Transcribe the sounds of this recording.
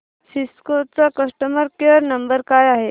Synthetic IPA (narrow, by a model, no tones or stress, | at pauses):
siskot͡sakəsʈəməɾkeəɾnəmbəɾkajaɦe